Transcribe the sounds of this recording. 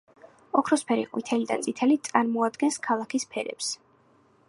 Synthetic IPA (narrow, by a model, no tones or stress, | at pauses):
ɔkʰɾɔspʰɛɾḭqʼmit̪ʰɛlid̪a̰nt̪sʼit̪ʰɛlit̪sʼaɾmɔad̪ɡɛnskʰalˠakʰispʰɛɾɛ̰ps